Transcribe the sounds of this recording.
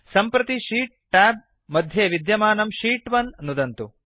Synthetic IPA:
sɐmpɾɐt̪iʂiːʈ̚ʈɛːb̚ | mɐd̪ʱjeːʋid̪jɐmaːnɐmʃiːʈʋɐnnud̪ɐnt̪u

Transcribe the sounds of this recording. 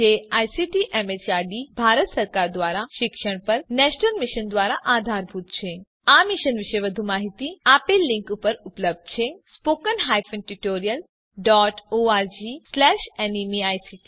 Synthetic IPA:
d͡ʒeaːjsiʈiʔemet͡ʃaɾɖibʱaːɾət̪səɾkaːɾd̪ʋaːɾaʃɪkʃəɽ̃pəɾnɛʃnəlmiʃənd̪ʋaːɾaʔad̪ʱaɾbʱut̪̚t͡ʃʰe | amiʃənʋiʃəjʋəd̪ʱumaːɦit̪iaːpelːĩŋkupəɾupləb̚d̪̚t͡ʃʰesspokənɦaːjfə̃nʈuʈoːɾijəl | ɖɔːʈoaːɾd͡ʒislɛːʃɛnimiaːjsiʈi

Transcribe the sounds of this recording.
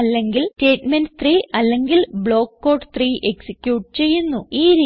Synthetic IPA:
ɐlːe̞ŋɡilteːʈmenɖɨt̪riːɐlːe̞ŋɡilbɭo̞ːkːo̞ːʈt̪riːʔeksikʲjuːʈ̚ːt͡ɕe̞jːunːuiːɾi

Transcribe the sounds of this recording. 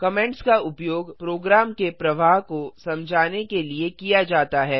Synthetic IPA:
kɐmɛ̃ɳʈskaʊpjoːɡpɾoːɡɾaːmkepɾɐʋaːɦkosɐ̃md͡ʒʱaːnekeliekijad͡ʒaːt̪aɦɛː

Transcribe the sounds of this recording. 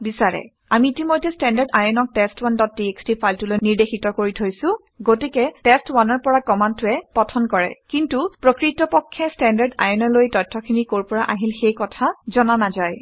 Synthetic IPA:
bisaɹɛ̰ | amiːtimojtːɛstɛndaɹdajɔnɔk̚tɛstwandɔt̚tːiekstipʰajltulojniɹdexʰitɔkoɹitʰojsʊ̃ | ɡotikɛtɛstwanɔɹpɔɹakɔmantʊɛpɔtʰɔnkɔɹɛ̰kintupɹokɹitɔpɔkʰːɛstɛndaɹda̰jɔnɔlojtɔjtʰːɔkʰinikoɹpɔɹaʔaɦilxejkɔtʰazɔnanazaj

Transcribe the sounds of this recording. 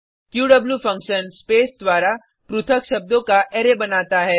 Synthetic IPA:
kjuːɖɐbljufɐ̃ŋkʃənspeːsd̪ʋaːɾa | pɾʊt̪ʰəkʃɐb̚d̪õkaʔeːɾebɐnaːt̪aɦɛː

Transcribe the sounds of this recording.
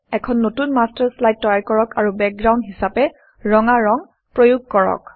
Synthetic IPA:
ɛkʰɔnːotunmastɛɹslajt̚ːɔjaɹkɔɹɔkaɹubɛk̚ɡɹawndɦisapɛ | ɹɔŋaɹɔŋ | pɹojuɡ̚kɔɹɔ̰k

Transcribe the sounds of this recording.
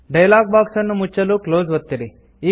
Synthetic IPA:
ɖɐjlaːɡ̚baːksɐnːumut͡ʃːɐluːkloːzʋɐt̪ːiɾi | i

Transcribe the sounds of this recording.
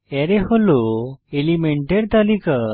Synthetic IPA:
ɛɾɛɦoloelimeɳʈeɾt̪alika

